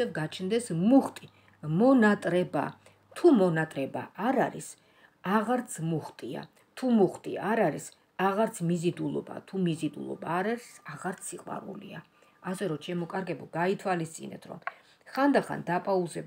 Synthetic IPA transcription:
ɛvɡat͡ʃʰnd̪ɛsmuχt̪ʼi | mɔnat̪ʼɾɛba̰ | t̪ʰumɔnat̪ʼɾɛbaːɾaɾḭs | aʁaɾt̪sʰmuχt̪ʼia̰ | t̪ʰumuχt̪ʼḭaɾaɾis | aʁaɾt̪sʰmizid̪ulˠɔ̰ba̰t̪ʰumizid̪ṵlˠɔ̰baːɾaɾisaʁaɾt̪sʰiqʼwa̰ɾṵlḭa | asɛɾɔt͡ʃʰɛmɔkʼaɾɡɛbɔɡait̪ʰwalist̪sʼḭnɛ̰t̪ʰɾɔ̰m | χand̪aχa̰nd̪apʼauzɛb

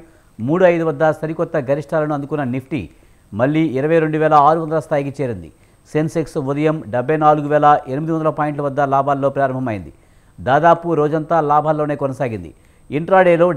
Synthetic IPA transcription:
muːɽuɐjd̪uʋɐd̪ːɐsɐɾikɔt̪ːɐɡɐɾiʂʈʰaːlɐnuɐnd̪ukunːɐnipʰʈḭ | mɐɭːiːiɾɐʋɐjɾe̞ɳɖuʋɛːlɐaːɾuʋɐnd̪ɐlɐst̪ʰaːjik̬it͡ʃeːɾind̪ḭ | senseksud̪ɐjɐmɖɛbʱːɐjnaːluɡuʋɛːlɐʔenimid̪iʋɐnd̪ɐlɐpaːjiɳʈ̬lɐʋɐd̪ːɐlaːbʱaːlːo̞ːpɾaːɾɐmbʱɐmɐjind̪ḭ | d̪aːd̪aːpuɾoːd͡ʒɐnt̪aːlaːbʱaːlːoːne̞ːkɔnɐsaːɡind̪ḭ | iɳʈɾaːɽeːlo̞ː

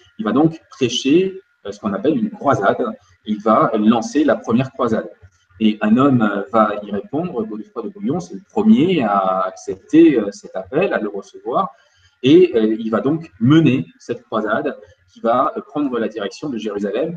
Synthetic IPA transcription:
ilvad̪ɔ̃kpχeʃe | øsə̥kɔ̃napɛlynkχwazad̪ | ilvalɑ̃selapχəmjɛʁkχwazad̪ | eɛ̃nɔmvaiʁepɔ̃d̪ʁəbod̪əfwad̪əbujɔ̃sɛləpχəmjeaːksɛp̚t̪eøsɛt̪apɛlaləʁəsəvwaʁ | eøilvad̪ɔ̃kmənesɛt̪kχwazad̪ | kʲivapχɑ̃d̪ʁəlad̪iʁɛksjɔ̃d̪əʒeʁyzalɛm

